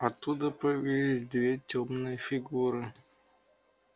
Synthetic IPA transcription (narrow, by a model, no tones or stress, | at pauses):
ɐt̪ːud̪əpəjɐvʲilʲisʲd̪vʲetʲomnɨjəfʲɪɡuɾɨ